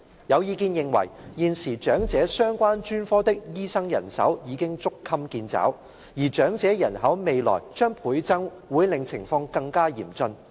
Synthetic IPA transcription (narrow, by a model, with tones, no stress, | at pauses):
jɐ˨˧wjiː˨˧kiː˧njɪ˨ŋwɐ̰˨˩jjiː˨˧nsiː˨˩t͡ʃœː˨˥ŋt͡sɛː˨˥sœː˥ŋkʷaː˥nt͡ʃyː˥nfɔː˥t̪ɪ˥k̚jiː˥sɐ˥ŋjɐ̰˨˩nsɐ̰˨˥wjiː˨˧kɪ˥ŋt͡sʊ˥kʰːɐ˥mkiː˧nt͡sa̰ː˨˥w | jiː˨˩t͡ʃœː˨˥ŋt͡sɛː˨˥jɐ˨˩nhɐ˨˥wme˨˧jlɔ̰ː˨˩jt͡ʃœː˥ŋpʰuː˨˥jt͡sɐ˥ŋ | wuː˨˧˥jlɪ˨˧ŋt͡sʰɪ˨˩ŋfɔː˧ŋkɐ˧ŋkaː˥jiː˨˩mt͡sɵ˧n